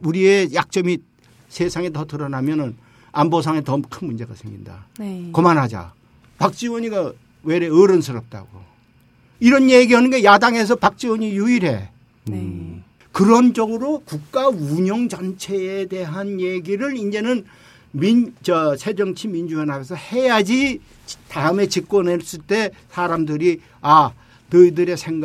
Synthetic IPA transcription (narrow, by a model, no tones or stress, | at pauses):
uɾie̞jak̚t͡ɕ͈ʌmi | sʰesʰaŋetʌtɯɾʌnamjʌnɯn | ambos̬ʰaŋetʌɯmkʰɯnmund͡ʑe̞ɡa̰sʰɯmɲḭnda̰komanɦad͡ʑa̰ | pak̚t͡ɕ͈iwʌɲiɡa | weɾeɯɾʌnsʰɯɾʌp̚t͈a̰ɡo̰ | iɾʌnjeɡiɦanɯnɡe̞jadaŋe̞s̬ʰʌpak̚t͡ɕ͈iwʌɲijuiɾe̞ | kɯɾʌnd͡ʑʌɡɯɾokuk̚k͈auɲʌŋd͡ʑʌnt͡ɕʰe̞ːde̞ɦanje̞ɡiɾɯɾind͡ʑe̞nɯn | mit͡ɕʌsʰe̞d͡ʑʌŋt͡ɕʰimind͡ʑuenɦaɡʌs̬ʰʌhe̞jad͡ʑi | taɯme̞t͡ɕik̚k͈wʌnes͈ɯɭt͈e̞sʰaɾamdɯɾi | a | nɯidɯɾe̞sʰe̞ŋ